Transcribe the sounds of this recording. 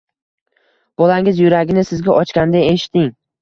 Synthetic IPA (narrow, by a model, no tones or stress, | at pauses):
b̥ɒlaŋɪzjʊɾaɡʲɪnɪsɪzɡʲaʔɒt͡ʃkʲand̪ae̞ʃɪ̥t̪ʰːɪŋ